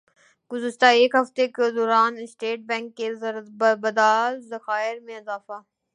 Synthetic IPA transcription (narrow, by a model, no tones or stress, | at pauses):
ɡ̥ʊzɪʃt̪aeːkɦɐft̪ekd̪ɔːɾaːnɪsʈeːʈ̚bɛ̃ːŋkːezbɐd̪aːlzɐxaːɪɾmẽɪzaːfaː